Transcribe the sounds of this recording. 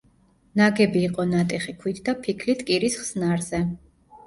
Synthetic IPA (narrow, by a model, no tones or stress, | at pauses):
naɡɛbiːqʼɔnat̪ʼiχikʰwit̪ʰd̪apʰikʰlit̪ʰʼkʼiɾisχsnaɾzɛ